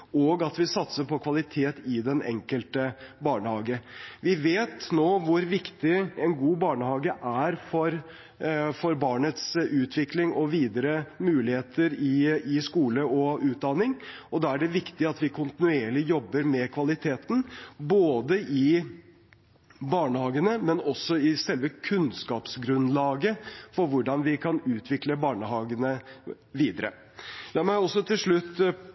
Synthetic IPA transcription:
ɔɡɑt̪ʋɪsɑt̪səɾpʰɔkʰʋɑlɪt̪ʰeːt̪ɪd̪ɛnɛ̰ŋkəlt̪əbɑːɳəhɑːɡəʋɪʋeːt̪noːʋʊɾʋɪkt̪ɪɛnɡuːbɑːɳəhɑːɡəʔæɾfɔɾ | fɔɾbɑːɳət̪sʉːt̪ʰʋɪklɪŋɔʋiːd̪əɾəmʉːlɪheːt̪ʰəɾɪɪskuːləɔʉːt̪̚d̪ɑnːɪŋɔd̪ɑːæɖɛʋɪkt̪ɪɑt̪ʋɪkʰʊnt̪ɪnʉeːɭɪjɔbːəɾmɛkʰʋɑlɪt̪ʰeːt̪n̩boːd̪əʔɪ | bɑːɳəhɑːɡənəmɛnɔsːɔɪsɛlʋəkʰʉnskɑːpsɡɾʉnlɑːɡəfɔɾʋʊɖɑnʋɪkʰɑnʉːt̪ʰʋɪkləbɑːɳəɦɑːɡənə | ʋiːd̪əɾə̰ | lɑːɾmæɪɔsːɔt̪ʰɪlʂɭʉt̪ː

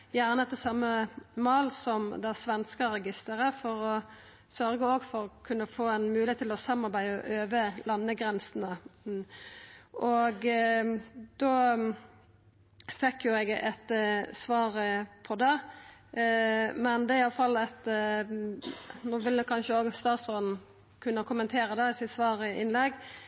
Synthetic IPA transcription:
jæʁnəɛt̪ːəsɑmːəmɑːlsɔmd̪ɛæsʋɛnskəɾɛɡɪst̪əʁəfɔɾɔ | sœɾɡəoːɡfɔɾɔkʰʉnːəfoːɛnmʉːlɪhet̪ʰɪlɔsɑmːɑʁɾbæɪəɔ̰ʔøːʋəlɑnːəɡʁɛnsənə | ʔɔɡ | d̪o | fɛkːjʊɛɡɛt̪sʋɑːɾpʰɔd̪ɛ | mɛnd̪ɛɪɑlːəfɑlːɑt̪ | nuːʋɪləkʰɑnʃəoːɡst̪ɑːt̪soːd̪n̩ | kʰʉnːəkʰʊmənt̪ʰeːɾəd̪ɛɪsɪt̪sʋɑːɾɪɪnlɛɡ

